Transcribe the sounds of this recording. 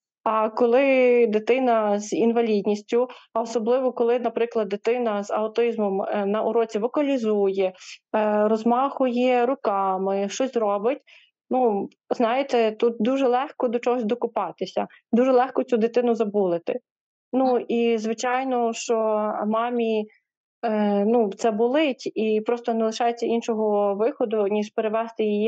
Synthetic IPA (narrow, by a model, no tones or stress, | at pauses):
ɐkɔlˠɪd̪ɪt̪ɪnɐzinʋɐlʲidʲnʲisʲtʲʊɔsɔblˠɪʋɔkɔlˠɪnɐpɾɪklˠɐd̪̚ːet̪ɪnɐz̥ɐʊt̪ɪzmɔmnɐʔʊɾɔt͡sʲiʋɔkɐlʲizujɛ | ɾɔzmɑxʊjɛɾʊkɑmɪʃt͡ʃɔsʲɾɔbɪtʲ | nu | znɑjɪt̪ɛt̪ut̪̚d̪uʒɛlˠɛxkɔd̪ɔt͡ʃɔɦɔsʲd̪ɔkʊpɑt̪ɪsʲɐ̰ | d̪uʒɛlˠɛxkɔt͡sʲud̪ɪt̪ɪnʊzɐbulˠɪt̪ɪ | nuizʋɪt͡ʃɑjnɔʃt͡ʃɔmɑmʲi | nut̪sɛbʊlˠɪtʲipɾɔst̪ɔnelˠɪʃɑjet͡sʲːɐʔinʃɔɦɔʋɪxɔd̪ʊnʲiʒpeɾɪʋɛst̪ɪjiji